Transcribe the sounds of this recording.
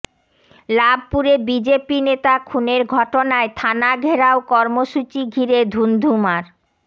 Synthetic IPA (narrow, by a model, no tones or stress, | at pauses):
lab̚ʱpuɾebid͡ʑepinet̪akʰuneɾɡʱɔʈonaet̪ʰanaɡʱeɾaokɔɾmoʃut͡ɕiɡʱiɾed̪ʱund̪ʱumaɾ